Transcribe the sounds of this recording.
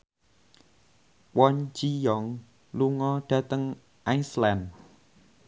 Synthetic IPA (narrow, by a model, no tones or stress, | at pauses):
wɔnd͡ʒijɔŋ | luŋɔɖ̥ä̤t̪əŋ | ʔajsland